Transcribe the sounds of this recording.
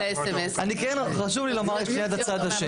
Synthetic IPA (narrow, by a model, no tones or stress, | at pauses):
esemesanikɛnχaʃuvlilomaʁeʃpniat̪at͡sad̪aʃe